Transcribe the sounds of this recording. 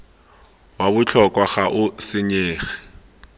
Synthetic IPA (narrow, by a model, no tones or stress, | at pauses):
waβʊt͡ɬʰɔkʼwaχaʔʊsɪɲeːχɛ̥